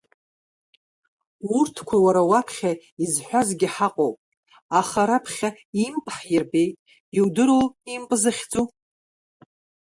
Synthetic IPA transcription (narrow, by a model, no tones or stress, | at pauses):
urtʰkʷʰawaɾawapʰχʲa | izħʷᶣazɡʲɪħaqʼowpʼ | aχaɾapʰχʲa | impʼħjɪrbe̞jtʼ | iwdɨɾolimpʼzɨχʲd͡zu